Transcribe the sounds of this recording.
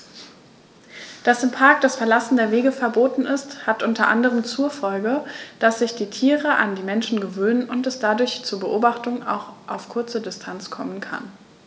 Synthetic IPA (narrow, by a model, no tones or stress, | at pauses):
d̥asɪmpʰaɐk̚d̥asfɛɐlasn̩deːɐveːɡəfɛɐboːtn̩ɪsthatʔʊntɐʔa̰ndəʁəmt͡suːɐfɔlɡəd̥asz̥ɪçd̥iːtʰiːʁəʔa̰ndiːmɛnʃn̩ɡəvøːnənʔʊntɛsd̥adʊɐçt͡suːɐbəʔoːbaχtʊŋa̰ʊxʔaʊfkʰʊɐt͡sədɪstʰant͡skʰɔmənkʰa̰n